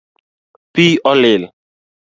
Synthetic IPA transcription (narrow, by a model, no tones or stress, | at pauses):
piʔɔlɪl